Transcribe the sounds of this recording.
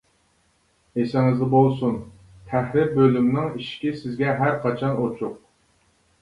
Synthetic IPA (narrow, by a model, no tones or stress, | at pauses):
esɪŋɪzd̪ɪbolˠsun | t̪ʰæhɾɪbølymnɪŋiʃkʲisɪzɡʲɛɦæɾqʰɑt͡ʃʰɑnot͡ʃʰʊq̚